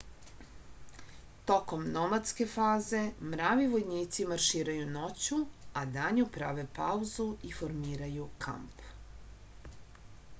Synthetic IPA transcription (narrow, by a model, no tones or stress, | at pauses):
t̪o̞ko̞mnomat̪ske̞faːze̞mɾaːʋiʋo̞jniːt̪simaɾʃiːɾajuno̞t͡ɕuad̪aɲupɾaʋe̞pauzuifo̞ɾmiːɾajukʰa̰mp